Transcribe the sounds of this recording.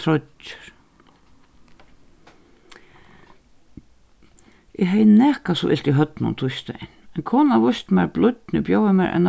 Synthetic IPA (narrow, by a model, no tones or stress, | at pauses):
ɾɔʏ̥ɾ̥ | ʔɛɦejnɛːhkasɔʔɪ̰lt̪iɦœt̪nʊ̰nt̪ʰʊst̪a̰jnɛnkʰɔːnavʊst̪mɛɾblʊt̪nɪbjowvamɛɾʔɛ̰nː